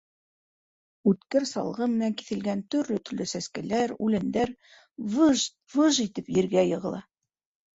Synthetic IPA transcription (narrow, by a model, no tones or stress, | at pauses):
ʉt̪kɘɾsɑ̰lˠʁɤmɘ̆næŋki̥θɘ̆lɡænt̪ɵ̆ɾlɵt̪ɵ̆ɾlɵsæskælæɾʉlɘ̆nd̪æɾ | vʒ | vɤʒit̪ɘpjɘ̆ɾɡæjɤ̆ʁɤ̆lˠɑ